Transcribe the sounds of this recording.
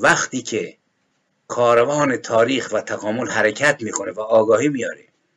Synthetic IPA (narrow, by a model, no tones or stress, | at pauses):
væxt̪iːcʰe | kʰɒːɾevɒːnet̪ʰɒːɾiːxvæt̪ʰæɣɒːmolhæɾecʰæt̪miːkʰonevæːɡɒːhiːmijɒːɾe